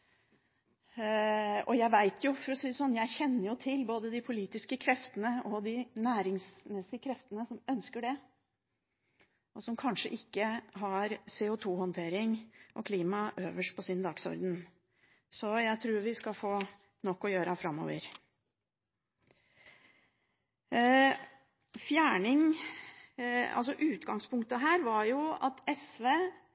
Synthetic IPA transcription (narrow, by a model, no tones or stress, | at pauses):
ɔjæɪʋæɪt̪ʰjʊfɔɾɔsiːəsɔnːjæɪçɛnːəɾjʊt̪ʰɪlboːd̪əd̪ɪpʰʊliːt̪ɪskəkʰɾɛft̪ənəɔd̪ɪnæːɾɪŋsmɛsːɪkʰɾɛft̪ənəsɔmœnskəɖɛ | ɔsɔmkʰɑnʂə̰ʔɪkːəɦɑɾseːʊt̪ʰuːhɔnt̪ʰeːɾɪŋʔɔkʰliːmɑʔøːʋəʂʈ̚pʰɔsiːnəd̪ɑːɡsɔ̰ɾd̪ən | sɔjæɪt̪ʰɾuːɾʋɪskɑfoː | nɔkːɔjøːɾəæfɾɑmːɔ̰ːʋə̰ɾ | fjæːɳɪŋ | ɑ̰ls̬ɔʔʉːt̪ɡɑŋspʰʊŋk̚t̪əɦæːɾʋɑjʊɑ̰t̪ɛsʋeː